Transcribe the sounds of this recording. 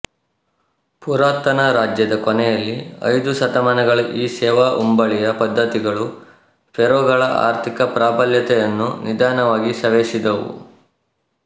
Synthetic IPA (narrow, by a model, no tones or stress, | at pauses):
puɾaːt̪ɐnɐɾaːd͡ʒjɐd̪ɐkɔnɛjɐlːiɐ̰jd̪usɐt̪ɐmɐnɐɡɐɭɐʔiːsɛːʋaːʔumbɐɭijɐpɐd̪ʱːɐt̪iɡɐɭu | pʰɛɾoːɡɐɭɐʔa̰ːɾt̪ʰikɐpɾaːbɐljɐt̪ɛjɐnːṵnid̪aːnɐʋaːɡisɐʋeːsid̪ɐʋṵ